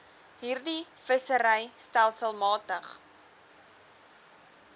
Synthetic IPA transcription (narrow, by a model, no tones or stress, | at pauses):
ɦiːrdifəsəɾəjstælˠsəlˠmɑːtəχ